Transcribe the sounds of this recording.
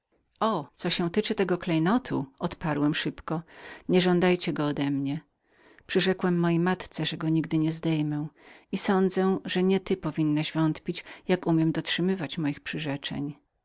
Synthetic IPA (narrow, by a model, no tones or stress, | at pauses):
ɔt̪sɔɕɛ̃w̃t̪ɘt͡ʂɘt̪ɛɡɔklɛjnɔt̪ʰṵʔɔt̪paɾwɛmʂɘpkɔɲɛʐɔnd̪ajt͡ɕɛɡɔːd̪ɛmɲɛ | pʂɘʐɛkwɛmːɔjejmat̪t̪sɛʐɛɡɔɲiɡd̪ɘɲɛzd̪ɛjmɛw̃isɔnd̪zɛʐɛɲɛt̪ɘpɔvʲinːaʑvɔnt̪pʲit͡ɕjakumʲjɛmd̪ɔtʂɘmɘvat͡ɕmɔjixpʂɘʐɛt͡ʂɛ̰ɲ